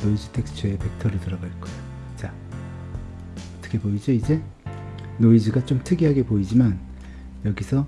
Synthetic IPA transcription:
noid͡ʑitʰek̚t͡ɕʰeepe̞k̚tʰʌɾɯɭtɯɾʌɡaɭk͈ʌeo | t͡ɕa | ʌt͈ʰʌ̥kʰe̞boid͡ʑoid͡ʑe̞ | noid͡ʑiɡat͡ɕomtʰɯɡiɦaɡe̞poid͡ʑiman | jʌɡisʰʌ

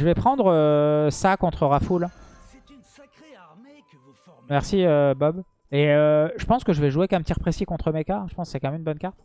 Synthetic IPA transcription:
ʒəvɛpχɑ̃d̪ʁəsakɔ̃t̪χəʁaful | mɛʁsiøbɔb | eøʒəpɑ̃skəʒəvɛʒuekɛ̃pət̪iʁpχesikɔ̃t̪χəmekãʒə̥pɑ̃sksɛkɑ̃mɛmynbɔnkaʁt̪

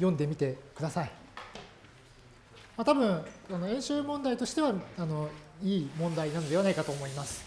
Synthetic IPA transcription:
jõ̞nd̪e̞mʲit̪e̞kɯ̟d̪asai | mat̪abɯ̟̃ɰano̞ẽ̞ɰ̃ɕɨːmõnd̪ait̪o̞ɕi̥t̪e̞βaano̞iːmõ̞nd̪ainano̞d̪eanaikat̪o̞ːmo̞imasɨ̥

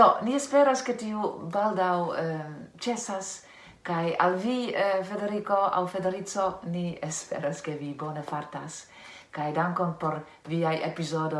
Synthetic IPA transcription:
d̥oniespe̞ɾosketiubaldaw | t͡ʃe̞sas | kaja̰lvife̞de̞ɾiko̞a̰wfe̞de̞ɾit͡so̞niespḛɾaske̞vibo̞nefaɾtas | kajdaŋkonpo̞ɾ | viajepizodo

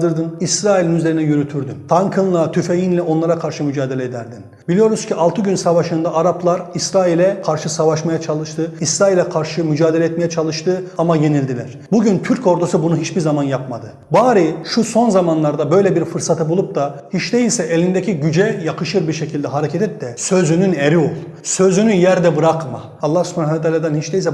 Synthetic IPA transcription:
d̪ɯɾd̪ɯnisɾaːilʲinyzlʲe̞ɾinɛjyɾyt̪ʰyɾd̪ynt̪ʰaŋkʰɯnlˠat̪ʰyfe̞jinlʲɛʔo̞nlˠaɾakʰaɾʃɯmyd͡ʒaːd̪e̞lʲɛːd̪æɾd̪in | bilʲijo̞ɾuzcʰialˠt̪ʰɯɟynsavaʃɯnd̪aaɾaplˠaɾisɾaːilʲɛkʰaɾʃɯsavaʃmajat͡ʃʰalˠɯʃt̪ʰɯisɾaːilʲɛkʰaɾʃɯmyd͡ʒaːd̪elʲɛt̪mejɛt͡ʃʰalˠɯʃt̪ʰɯamaje̞nilʲd̪ilʲæ̰ɾ̥buɟynt̪ʰyɾco̞ɾd̪usɯbunuɦit͡ʃbiɾzamanjapmad̪ɯ | baːɾiʃuso̞nzamanlˠaɾd̪abø̞jlʲɛbiɾfɯɾsat̪ʰɯbulˠup̚t̪ahit͡ʃd̪e̞jilʲsɛʔelʲind̪ecʰiɟyd͡ʒɛjakʰɯʃɯɾbiɾʃecʰilʲd̪ɛɦaɾecʰɛt̪ʰɛt̪ːɛsø̞zynyneɾio̞lˠ | sø̞zynyjæɾd̪ɛbɯɾakma̰ːlˠːahsy̥pʰanaɛt̪ʰaːlʲad̪ɛnhit͡ʃd̪ejilʲsɛ

